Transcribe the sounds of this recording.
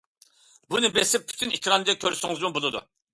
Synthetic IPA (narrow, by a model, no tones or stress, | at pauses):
bunɨbesɪp̚pːʰy̥t̪ʰynikʲɾɑnɨd͡ʒ̪ɛkʲʰøɾsyŋɨzmɨbolˠɨd̪ṵ